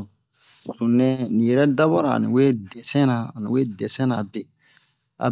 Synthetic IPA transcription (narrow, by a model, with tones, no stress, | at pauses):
sũ˨nɛ̃˦nĩ˨jɛ˨ɾɛ˦da˦ba˦ɾa̰˨nḭ̃˨we˦dɛ˨sɛ̃˦nã˨a˨nḭ̃˨we˦dɛ˨sɛ̃˦na˨be˨ | a̰˨